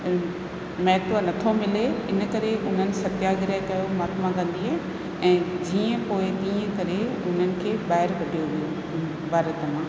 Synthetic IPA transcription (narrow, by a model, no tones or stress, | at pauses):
mɛːt̪ʋənɐt̪ʰomɪleɪnə̆kɐɾeʊn̤ənɪ̆sɐt̪jaːɡɪɾakɐjomaːt̪mãkɐ̃nd̪iɦaː | ɛ̃ːd͡ʑiːə̃poːɪt̪iːə̃kɐɾe | ʊn̤ənɪ̆kʰeːbaːɦɪɾkɐɖʱijoʋijo | bʱaːɾət̪mãː